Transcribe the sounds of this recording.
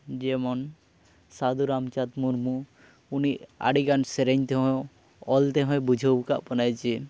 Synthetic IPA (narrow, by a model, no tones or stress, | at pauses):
d͡ʒemɔn | sad̪uɾamt͡ʃat̪muɾmu | unia̰ɽiɡanseɾeɲt̪eɦɔ̃j | ɔlt̪eɦɔ̃jbud͡ʒʱəbka̰ʔpɔnajt͡ʃʰi